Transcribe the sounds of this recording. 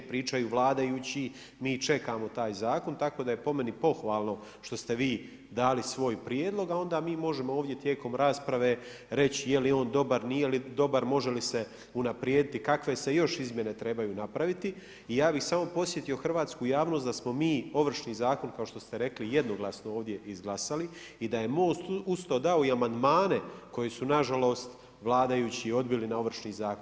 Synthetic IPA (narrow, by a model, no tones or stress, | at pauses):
pɾiːt͡ʃajuʋlˠaːd̪ajuːt͡ɕi | miːt͡ʃe̞kaːmo̞t̪aːjzaːko̞nt̪ako̞d̪aje̞po̞me̞nipo̞xʋaːlˠno̞ | ʃt̪o̞st̪e̞ʋiː | d̪aːlisʋo̞ːjpɾjeːd̪lˠo̞ɡao̞nd̪aːmiːmo̞ʒemooːʋd̪ʲje̞t̪je̞ːko̞mɾaːspɾaʋe̞ː | ɾe̞t͡ɕijelio̞ːnd̪o̞baɾnijelid̪o̞baɾmo̞ʒelise | unapɾjed̪it̪ikakʋe̞se̞jo̞ʃizmʲje̞ne̞t̪ɾe̞bajuːnapɾaʋit̪iː | jaːbixsaːmo̞po̞sje̞t̪ijo̞xrʋaːt̪skuːjaːʋnost̪d̪asmo̞miːo̞ʋr̩ʃniːzaːko̞nkao̞ʃt̪o̞st̪e̞ɾe̞klije̞d̪no̞ɡlˠasnooːʋd̪je̞izɡlˠasali | id̪aje̞mo̞ːst̪ust̪oːd̪aoiamand̪maːne̞ko̞jesunaʒalˠo̞ːst̪ | ʋlˠaːd̪ajuːt͡ɕiːo̞d̪bilinao̞ʋr̩ʃniːzaːkon